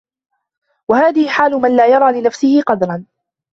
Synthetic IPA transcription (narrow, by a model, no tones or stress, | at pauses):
wahaːðɪhɪħaːlʊmanlaːjɑɾˤɑːlɪnafsɪhɪqɑd̪ɾˤɑn